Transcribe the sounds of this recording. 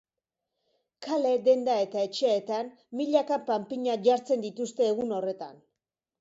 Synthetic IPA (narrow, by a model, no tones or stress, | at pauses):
kale̞d̪e̞nd̪ae̞t̪ae̞t͡ʃe̞et̪an | miʎakapampiɲaʝaɾt͡se̞nd̪it̪ust̪e̞ːɣuno̞re̞t̪a̰n